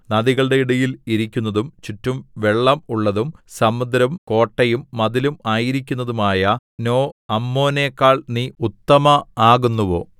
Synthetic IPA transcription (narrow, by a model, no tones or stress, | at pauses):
nɐðiɣɐɭɖe̞iɽɐjiliɾikʲːunːɐðumt͡ɕitːumʋe̞ɭːɐmuɭːɐðumsɐmːud̪ɾɐmko̞ːʈːɐjumːɐðilumaːjiɾikʲːunːɐðumaːjɐ | no̞ːɐmːo̞ːneːkːaːɭniːut̪ːɐmɐaːɣunːuʋo̞̰ː